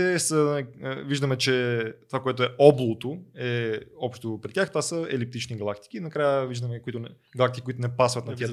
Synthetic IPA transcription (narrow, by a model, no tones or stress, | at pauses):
ɛsənliviʒd̪əmɛt͡ʃɛt̪ovakoɛt̪oɛʔɔblˠot̪oɛɔpʃt̪opɾʲit̪ʲjaxt̪ovasəɛlip̚t̪it͡ʃniɡɐlˠakt̪i̥k̟inɐkɾajəviʒd̪əmɛkoit̪onɛ | ɡɐlˠakt̪ikʲikoit̪onɛpasvɐt̪nɐt̪iɐ